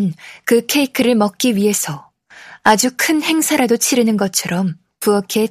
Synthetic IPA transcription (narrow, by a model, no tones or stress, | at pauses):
nkɯkʰe̞ikʰɯɾɯɭmʌk̚k͈iɥiɦe̞sʰʌ | ad͡ʑukʰɯnhe̞ŋsʰaɾadot͡ɕʰiɾɯnɯnɡʌt͡ɕʰʌɾʌm | puʌkʰe̞